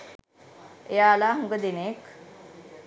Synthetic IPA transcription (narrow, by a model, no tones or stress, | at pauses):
jalaɦuŋɡəd̪inek